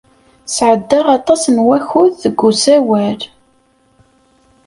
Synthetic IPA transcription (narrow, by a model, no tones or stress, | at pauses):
sʕəd̪ːəʁɑt̪ˤɑsnwæçuðθəɡːusæwæl